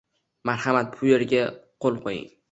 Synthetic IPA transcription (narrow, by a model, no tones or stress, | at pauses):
maɾhamat̪̚bʰʊjeɾɡʲaqʰolˠqʰojɪ̰ŋ